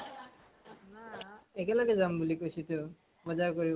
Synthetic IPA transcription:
naɛkɛlaɡɛzambulikojsʰitʊ | bɔzaɹkoɹib

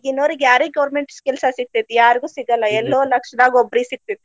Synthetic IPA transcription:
ɡinːoːɾiɡjaːɾiɡɐʋɾmeɳʈskɛlsɐsiɡ̚t̪it̪ːijaːɾiɡuːsiɡɐlːɐɛlːoːlɐkʂɐd̪aːɡoɔbːɾisiɡ̚t̪it̪ːi

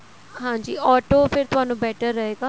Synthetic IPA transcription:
ɦãːd͡ʒiːʔɔːʈoːpʰɪɾt̪ʊaːnũːbɛːʈəɾːəɦeːɡaː

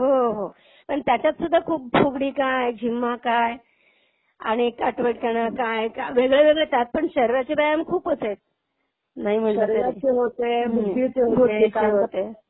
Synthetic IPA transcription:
ɦoɦo | pəɳt̪jat͡ɕjat̪sud̪ʱːakʰuːp̚fʰuɡɽiːkajd͡ʑʱimːakaj | a̰ɽ̃ikaʈʋeʈkəɽ̃akajkaʋeɡɭeʋeɡɭet̪at̪̚pəɳɕəɾiɾat͡ɕebajamkʰuːpəset̪̚ | naɦim̤əɳaɾaɾaeɦot̪emuit͡seɦoboit͡seɦot̪e

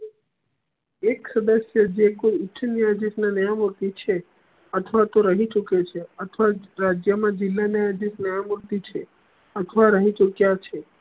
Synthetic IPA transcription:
eksəd̪əsjəd͡ʒekoiʊt͡ʃʰənijad͡ʒisnanəjamuɾt̪it͡ʃʰe | ət̪ʰəʋat̪oɾəɦĩt͡ʃuket͡ʃʰeət̪ʰʋaɾad͡ʒjəmãd͡ʒɪlːanijad͡ʒisnəjamuɾt̪it͡ʃʰe | ət̪ʰʋaɾəɦĩt͡ʃukjat͡ʃʰe

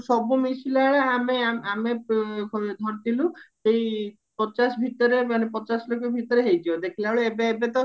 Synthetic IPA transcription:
sɔbumisilaɭaameaamekʰɔd̪ʱɔɾt̪iluʃej | pɔt͡ʃasbʱit̪ɔɾemanepɔt͡ʃaslokɔbʱit̪ɔɾeɦejt̪ʰibod̪ekʰilaoɭeebeebet̪ɔ

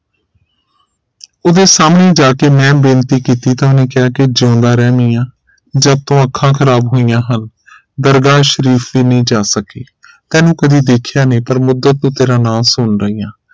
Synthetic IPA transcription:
ʊd̪eːsaːmneːd͡ʒaːkeːmɛ̃ːbɪːnt̪iːkiːt̪iːt̪ãːʊneːkɪjaːked͡ʒãːnd̪aːɾɛːmiːjãː | d͡ʒaːt̪ːõːəkʰːãːkʰəɾaːbɦoːijãːɦən | d̪əɾɡaːʃəɾiːfʰʋiːnəĩːd͡ʒaːsəkeː | t̪ɛ̃ːnũːkəd̪iːd̪eːkʰjaːnẽːpəɾmʊd̪ːət̪̚nũːt̪eːɾãːnaːsʊnɾəiːãː

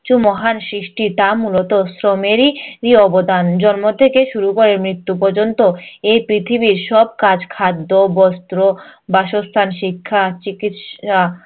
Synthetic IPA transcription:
t͡ɕumɔɦansɾiʃʈit̪amulot̪osɾomeɾiɾiɔbod̪and͡ʑɔnmot̪ʰekeʃuɾukoɾemɾit̪ːupɔɾd͡ʑont̪oejpɾit̪ʰibiɾʃɔb̚kad͡ʑkʰad̪ːobɔst̪ɾobaʃost̪ʰanʃikʰːat͡ɕikit̪ʃa

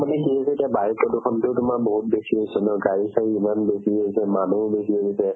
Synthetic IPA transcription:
manɛkiɦosɛtiabajikɔdʊkʰɔntʊʊtʊmak̚boɦut̚besiɦojsɔnɔɡaɹisʰaiimanbesioɦisɛmanubesiɦoɦisɛ

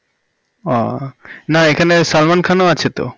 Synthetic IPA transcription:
ɔnaekʰanesalmankʰanoat͡ɕʰet̪o̰

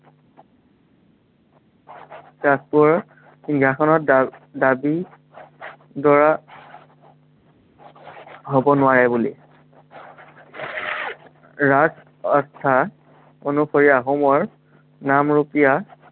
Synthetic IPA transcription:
tɹaspuɹ | xinɡʱjakʰɔnɔtdabi | dɔɹa | ɦobɔnʊwaɹɛbulḭ | ɹas | ɔst̪ʰa | onupʰɔɹiaɦɔmɔɹ | namɹupija

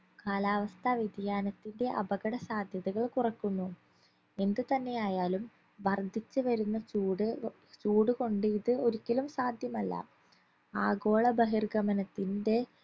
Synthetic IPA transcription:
kaːlaːʋɐst̪ʰɐʋid̪jaːnɐt̪ːinde̞ʔɐ̰bɐɣɐɽɐsaːd̪ʱjɐðɐɣɐɭkurɐkːunːu | e̞nd̪ɨt̪ɐnːe̞jaːjaːlum | ʋɐrd̪ʱit͡ɕːɨʋɐɾunːɐt͡ɕuːɽɨ | t͡ɕuːɽɨko̞ɳɖɨiðɨo̞ɾikʲːɐlumsaːd̪ʱjɐmɐlːɐ̰ | aːɡo̞ːɭɐbɐɦirɡɐmɐnɐt̪ːinde̞

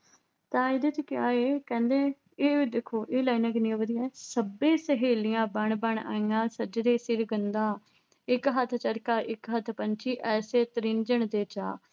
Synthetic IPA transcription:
t̪ãːɪd̪eːt͡ʃkɪjaːeːkɛ̃ːnd̪eː | eːid̪ekʰːoːʔeːlaːinãːkɪnɪãːʋəd̪ijaːsəbẽːsəɦeːlɪjãːbəɳbəɳa̰ːĩːãːsəd͡ʒd̪eːsɪɾɡənd̪ãː | ɪkɦət̪ʰt͡ʃəɾkaːʔɪkɦət̪ʰpənt͡ʃiːʔɛːseːt̪əɾɪnd͡ʒəɳd̪eːt͡ʃa̰ː

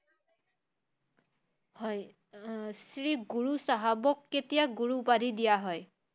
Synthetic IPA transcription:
hɔj | sɹiɡuɹusaɦabɔkːetijaɡuɹubadʱidijaɦɔj

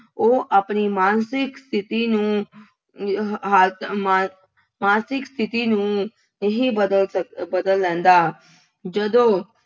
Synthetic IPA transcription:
oːʔaːpniːmaːnsɪkst̪ʰɪt̪iːnũː | ɦaːma | maːnsɪkst̪ʰɪt̪iːnũː | nəɦĩːbəd̪ələbəd̪əlːɛ̃ːnd̪aː | d͡ʒəd̪õː

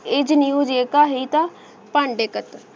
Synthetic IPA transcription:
ed͡ʒnijud͡ʒeːkaɦit̪a | paɳɖekət̪

